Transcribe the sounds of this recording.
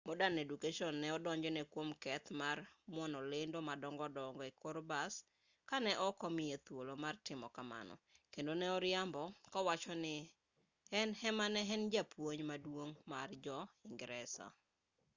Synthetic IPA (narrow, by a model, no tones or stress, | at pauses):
mɔdanedukaʃɔnːɛɔdɔɲd͡ʒɔnɛkwomkɛt̪marmwɔnɔlɪndomadɔŋɡɔdɔŋɡɔɪkoɾbas | kanɛʔɔkɔmɪet̪wolomartɪmɔkama̰nɔ̰kendonɛɔɾɪambɔkɔwat͡ʃɔnɪ | ɛnhɛmanɛɦɛnd͡ʒapwoɲmadwoŋmard͡ʒɔɪŋɡɾɛsa̰